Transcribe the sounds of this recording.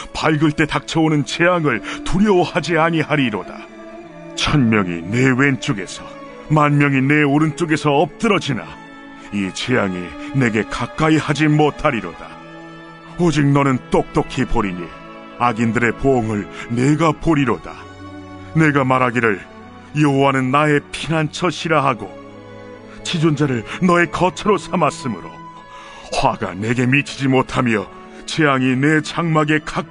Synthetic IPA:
paɭɡɯɭt͈e̞tak̚t͡ɕʰʌonɯnt͡ɕe̞jaŋɯɭtuɾjʌwhad͡ʑiaɲihaɾiɾod̥a̰ | t͡ɕʰʌnmjʌŋḭnewe̞nt͡ɕ͈oɡe̞sʰʌ̥ | manmjʌŋine̞oɾɯnt͡ɕ͈oɡe̞sʰʌʌp̚t͈ɯɾʌd͡ʑina̰ | it͡ɕe̞jaŋine̞ɡe̞kak͈aihad͡ʑimotʰaɾiɾo̰d̥a | ʌd͡ʑik̚nʌnɯnt͈ok̚t͈okʰipoɾiɲḭ | aɡindɯɾe̞pooŋɯɭne̞ɡapoɾiɾod̥a̰ | ne̞ɡamaɾaɡiɾɯɭ | jʌɦowanɯnːae̞pʰinant͡ɕʰʌɕʰiɾaɦaɡo | t͡ɕid͡ʑond͡ʑaɾɯɭnʌe̞kʌt͡ɕʰʌɾosʰamas͈ɯmɯɾo̰ | hwaɡa̰ne̞ɡe̞mit͡ɕʰid͡ʑimotʰamjʌ | t͡ɕe̞aŋine̞t͡ɕaŋmaɡe̞kak

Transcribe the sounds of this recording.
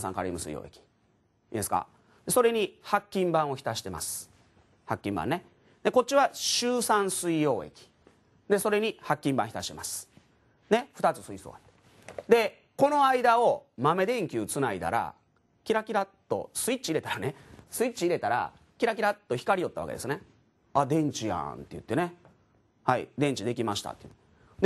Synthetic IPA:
sã̰ŋka̰ɾʲḭmɯ̟sɨ̰ḭjo̰ːe̞̰kʲi̥ | id̪esɨ̥ka̰ | d̪e̞so̞ɾe̞ɲ̟ihakʲːĩmbãɰ̃o̞çi̥t̪aɕi̥t̪e̞ma̰sɨ̥ | hakʲːĩmbã̰nːe | d̪e̞ko̞t̚t͡ɕiβaɕɨːsãɰ̃sɨijo̞ːe̞̰kʲi̥ | d̪eso̞ɾe̞ɲ̟ihakʲːĩmbã̰çit̪aɕi̥t̪e̞masɨ̥ | ne̞ɸɯ̟t̪at͡sɨ̥sɨiso̰ːat̪ːe̥ | d̪e̞ | ko̞no̞aid̪ao̞mame̞d̪ẽ̞ŋkʲɨːt͡sɨnaid̪a̰ɾa̰ | kʲiɾakʲiɾat̪ːo̞̰sɨit͡ɕiɾe̞t̪aɾanesɨit͡ɕiiɾe̞t̪aɾa̰ | kʲiɾak̬ʲiɾat̪ːo̞çi̥kaɾijo̞t̪ːaβa̰ked̪esɨne | ad̪ẽ̞ɲ̟t͡ɕijã̰nt̪ejɯ̟t̪ːe̞ne̞ | haḭd̪ẽ̞ɲ̟t͡ɕid̪e̞kʲimaɕi̥t̪a̰t̪ːe | d̪e

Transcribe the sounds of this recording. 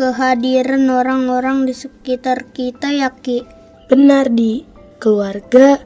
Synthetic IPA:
kəɦadiɾanoɾaŋoɾaŋdisəkit̪arkit̪ajaki | b̥ənardi | kəluarɡa

